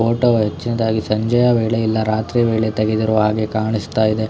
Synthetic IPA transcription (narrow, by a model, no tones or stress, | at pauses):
oːʈoɦet͡ʃːinɐd̪aːɡisɐɲd͡ʒɐjɐʋeːɭeilːɐɾaːt̪ɾiʋeːɭet̪ɐɡed̪iɾoːɦaːɡe̞kaːɳist̪aːjid̪e